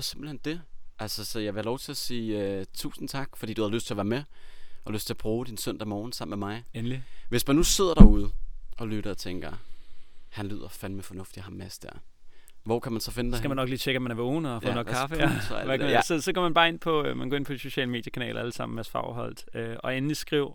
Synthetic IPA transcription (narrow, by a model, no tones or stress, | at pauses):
se̝mb̥l̩hend̥e̝ʔælsɒsɒ̽jɑ̈ɪʋe̝hælɒʊt͡sʰe̝læsiːøt͡sʰṵːsn̩t͡sʰɑ̈ɡ̥fɒd̥ḭduhæðˠløsd̥t͡se̝ɒʋæːɐmeʔɒløsd̥t͡sʰe̝ɐb̥ʁuːd̥insœn̰d̥ɐmɒːn̩sɑ̈m̰̩memɑ̈ɪenliʋe̝smænːuse̝ð̞̰ˠɐɾ̥ɑ̈uð̞ˠəɒ̽lyɾ̥ɐɒt͡sʰeŋɡ̥ɐ | hænlyð̰ˠɐfænmefɒ̽nɔ̽fd̥ihɑ̈mːesd̥æ̰ɐ̰ʋɒkʰæmænsɒ̽fe̝n̥eskæmænːɒ̽ɡ̥liːt͡ɕʰeɡ̥æmænæɐʋoːn̩fɔːnɔ̥kʰɑfəæsʋæksɒsɒ̽ɡ̥ɒ̰mænbɑ̈ːe̝npʰɒ̽mænɡ̥ɒ̰ːe̝npʰɒ̽d̥iso̝ɕɛ̰ːləme̝ːd̥jəkʰænɛ̰ːlɐæləsɑ̈m̰n̩ʋeæsfɑ̈ʊ̰ɦɒ̽l̰d̥øʔɒ̽enn̩d̥isɡ̥ʁiʊ̰